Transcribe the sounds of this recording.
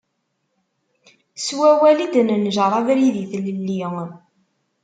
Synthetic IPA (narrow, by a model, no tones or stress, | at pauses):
swæwælid̪nənʒəɾˤɑðɾiðiθləlːiŋ